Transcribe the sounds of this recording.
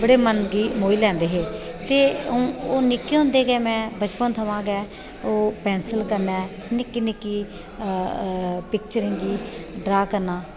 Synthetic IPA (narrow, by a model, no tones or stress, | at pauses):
bəɽeːmənɡiːmoːiːlɛ̃ːnd̪eːɦeː | t̪eːũːoːnɪkːiːɦõːnd̪eːɡɛːmɛ̃ːbət͡ʃpənt̪ʰəʋãːɡɛː | oːpɛ̃ːnsəlkəɾnɛː | nɪkːiːnɪkːiː | pɪk̚t͡ʃəɾɪ̃ŋɡiːɖɾaːkəɾnãː